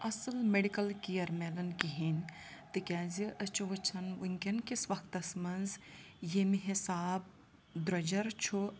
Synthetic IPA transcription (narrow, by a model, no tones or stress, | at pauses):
ɐsɨlmeɽikɐlkijɐɾmelɐnkiɦinʲ | t̪ɨkʲaːziʔət͡ʃʰuʋɐt͡ʃʰɐnwiŋkʲɐnkisʋɐxʰt̪ɐsmɐnz | jemiɦisaːb̚ | d̪ɾɐd͡ʒɐɾt͡ʃʰu